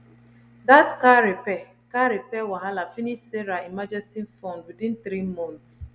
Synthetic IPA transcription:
datkaɾepɛ | kaɾepɛwaɦalafiniʃseɾaimad͡ʒɛsinfɔndwidĩntɾimɔ̃nts

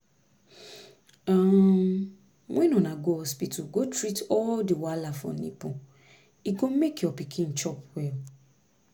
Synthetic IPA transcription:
ã | mɔ̃inũnãɡoɔspituɡotɾitɔldewalafɔ̰̃nḭ̃pɔ̃ | iɡõmekiɔpikʰĩn̩t͡ʃɔpwɛl

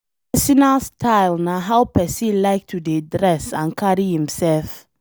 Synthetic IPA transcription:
pɛsinastʰaɪlnaɦaʊpɛsilaɪk̚tʰudedɾɛsãnkʰaɾihĩmsɛlf

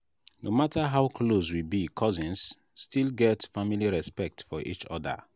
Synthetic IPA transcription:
nomataɦaʊkʰloswibikʰɔzĩns | stilɡɛtfamiliɹɛspɛk̚tfɔʔḭt͡ʃɔ̰də̰

